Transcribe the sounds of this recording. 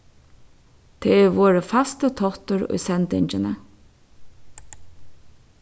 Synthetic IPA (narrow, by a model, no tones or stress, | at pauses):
t̪ʰeːɛʋoːɹəfast̪ət̪ʰɔht̪əɹʊ̰jsɛnt̪ɪ̰ɲt͡ʃənə